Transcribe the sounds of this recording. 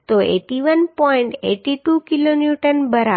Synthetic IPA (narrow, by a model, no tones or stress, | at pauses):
t̪oḛːʈiʋənpɔɪ̃ɳʈḛːʈiʈukiloːnjuʈənbəɾa